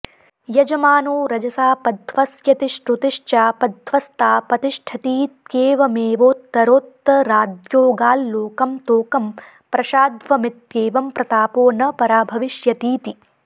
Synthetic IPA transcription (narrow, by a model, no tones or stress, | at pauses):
jɐd͡ʒɐmaːnoːɾɐd͡ʒɐsaːpɐd̪ʱʋɐsjɐt̪iʃʈɾut̪ɪʂt͡ʃaːpɐd̪ʱʋɐst̪aːpɾɐt̪iʃʈʰɐt̪iːt̪keːʋɐmeːʋoːt̪ːɐɾoːt̪ːɐɾaːd̪joːɡaːlːoːkɐmt̪oːkɐm | pɾɐʃaːd̪ʋɐmɪt̪̚keːʋɐmpɾɐt̪aːpoːnɐpɐɾaːbʱɐʋɪʃjɐt̪iːt̪i